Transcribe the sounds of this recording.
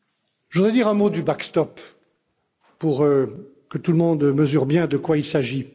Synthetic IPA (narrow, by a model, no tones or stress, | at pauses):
ʒud̪ʁɛd̪iʁɛ̃mod̪ybakst̪ɔp | uʁø | kət̪ulmɔ̃d̪məzyʁbjɛ̃d̪əkwailsaʒi